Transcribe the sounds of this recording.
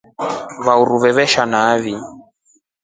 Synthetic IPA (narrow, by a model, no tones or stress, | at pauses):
βauɾuβɛβɛʃanaβi